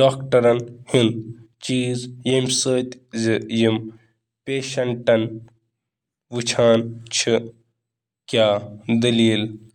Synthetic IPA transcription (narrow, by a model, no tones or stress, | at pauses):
ɖoːkʈɐɾɐnhint͡ʃiːzjemʲsəːt̪ʲzijim | pʲeːʃɐɳʈɐn | ʋut͡ʃʰaːnt͡ʃʰɨ | kʲaːd̪ɐliːl